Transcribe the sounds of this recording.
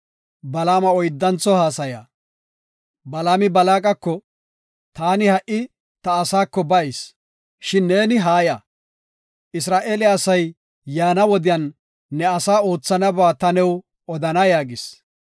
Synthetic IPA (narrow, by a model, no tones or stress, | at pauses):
bɐlaːmɐɔjd̪ːɐnt͡sɔhaːsɐja̰ː | bɐlaːmɪbɐlaːkʼɐkːɔ | t̪aːnɪhɐʔɪ | t̪ɐːsaːkːɔbɐɪs | ʃɪnːe̞ːnɪɦaːjaː | ʔɪs̬ɾaːʔeːlɪːsɐj | jaːnɐwɔd̪ɪjɐnː | ɛɐsaːo̞ːt͡sːɐnɐbaːt̪ɐnɛw | ɔd̪ɐnɐjaːɡɪs